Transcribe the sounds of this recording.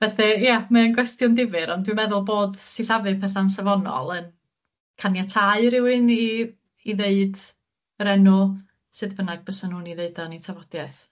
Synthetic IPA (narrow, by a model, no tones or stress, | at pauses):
vɛθɛjamaənɡwɛstjʊndɪvɨɾɔndwɨmɛðʊlˠboːdsɪθavɨpʰɛθansavɔnɔ̰lˠən | kʰanjatʰaɨɾɪwɪni | iðeɨd | əɾɛnʊ | sɨðbənaɡ̚bəsɔnhuːniðeɨdɔnitʰavɔd̥jɛθ